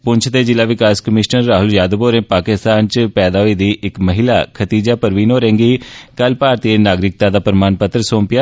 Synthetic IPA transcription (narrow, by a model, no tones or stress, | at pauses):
pʊɲt͡ʃʰd̪eːd͡ʒɪlːaːʋɪkaːskəmɪʃnəɾːaːɦʊljaːd̪boːɾẽːpaːkɪst̪aːnt͡ʃpɛːd̪aːɦoiːd̪iːʔɪkməɦɪla̰ːkʰət̪iːd͡ʒaːpəɾʋiːnoːɾɛ̃ːŋɡiːkəlpaːɾt̪iːenaːɡɾɪk̚t̪aːd̪aːpɾmaːnpət̪ɾəsõːmpɪjaː